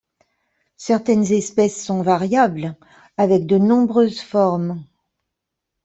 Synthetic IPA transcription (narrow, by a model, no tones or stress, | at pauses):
sɛʁt̪ɛnzɛspɛsːɔ̃vaʁjabl | avɛk̚d̪ənɔ̃bʁøzfɔʁm